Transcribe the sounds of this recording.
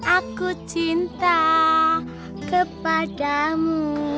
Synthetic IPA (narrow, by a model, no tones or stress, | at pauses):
ʔakut͡ʃint̪a | kəpaɖamu